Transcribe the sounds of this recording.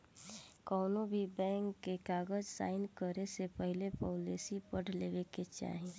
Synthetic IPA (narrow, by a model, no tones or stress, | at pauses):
kɔːnobʱibɛ̃ːŋkːekaːɡəd͡ʒsa̰ːɪnəɾesepəɦɪlepɔːlesipəɽ̤leːʋeket͡ʃa̰ːɦĩ